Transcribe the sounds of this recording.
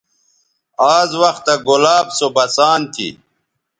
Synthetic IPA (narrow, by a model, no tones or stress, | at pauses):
aːzwɐxt̪aɡolaːbsobɐsaːnt̪ʰḭ